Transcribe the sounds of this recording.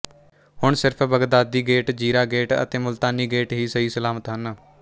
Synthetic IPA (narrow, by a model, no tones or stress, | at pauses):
hʊɳsɪɾpʰbəɡd̪aːd̪iːɡeːʈd͡ʒiːɾaːɡeːʈə̰t̪eːmʊlt̪aːniːɡeːʈɦiːsəɦiːsəlaːmət̪ɦən